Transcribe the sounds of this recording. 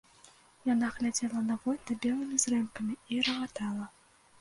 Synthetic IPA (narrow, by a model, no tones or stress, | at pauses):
janaɣlʲad͡zʲɛlˠɐnɐvɔlʲt̪ɐbʲɛlˠɨmʲizrɛmkɐmʲiiɾɐvat̪alˠɐ